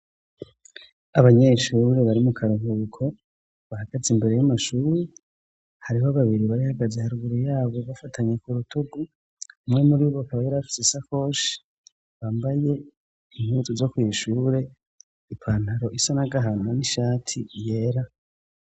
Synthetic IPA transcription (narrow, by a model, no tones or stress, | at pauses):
aβaɲe̞ʃuːɾe̞βaɾimukʰaɾuŋukʰo̞ | βahaɡ̥azimbe̞ɾe̞jamaʃuːɾe | haɾiɦo̞βaβiɾiβaɾihaɡazehaɾuɡuɾijaːβo̞βafatʰaɲe̞kuɾutuɡu | mŋe̞muɾiβokaβajiɾaβafi̥sesako̞ːʃi̥ | βaːmbaje̞ | iŋhuzuzo̞kwiːʃuːɾe̞ | ipʰaːn̥aɾo̞ʔisanaɡaɦananiʃaːtʰije̞ːɾa